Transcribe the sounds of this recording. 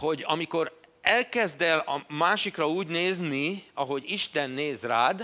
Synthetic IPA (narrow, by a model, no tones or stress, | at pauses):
ho̞ɟɒmiko̞ɾɛlkɛzd̪ɛlɒmaːʃikrɒuːɟneːzniɒɦo̞ɟiʃt̪ɛnːeːzraːd̪